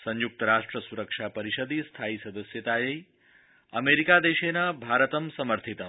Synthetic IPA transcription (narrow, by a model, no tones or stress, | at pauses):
sə̃ɲjuk̚t̪əɾaʂʈɾəsuɾəkʂapəɾiʃəd̪ist̪ʰaisɐd̪əsjət̪ajəj | əmeɾikad̪eʃenabʱaɾət̪əmsəməɾt̪ʰit̪ə